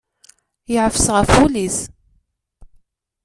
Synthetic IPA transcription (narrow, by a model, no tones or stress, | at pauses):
jəʕəfəsʁəfulis